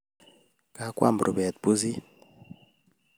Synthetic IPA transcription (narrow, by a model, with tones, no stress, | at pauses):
ka˨kwa̰˦˨mbɾʔṵ˨bɛ˨t̪̚bu˦zi˦